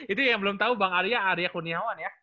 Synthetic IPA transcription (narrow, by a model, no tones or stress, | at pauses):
it̪ujaŋbəlʊmt̪aubaŋaɾijaːɾijakuniɦawanja